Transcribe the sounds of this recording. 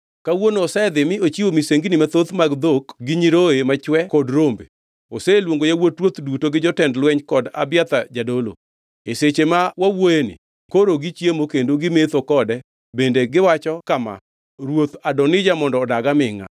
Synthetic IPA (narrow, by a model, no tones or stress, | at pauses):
kawonoːsɛɛd̪ɪmɪot͡ʃiwomiseŋɡinimat̪ot̪maɡd̪okɡɪɲiɾoemat͡ʃwɛkɔdɾombḛ | oselwoŋɡojawotɾwot̪dutoɡɪd͡ʒɔtɛndlwɛɲkɔda̰bɪjat̪ad͡ʒadolo̰ | eset͡ʃemawawoenɪ̰ | koɾoɡit͡ʃjemokendoɡɪmet̪okɔdɛ | bendeɡɪwat͡ʃɔkama̰ | ɾwot̪adɔnɪd͡ʒamɔndɔːdaɡamɪŋa̰